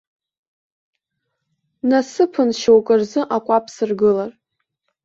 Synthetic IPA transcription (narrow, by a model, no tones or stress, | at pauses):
nasɨpʰɨnʃowkʼɨrzɨʔakʷʼapʰsɨrɡɨlar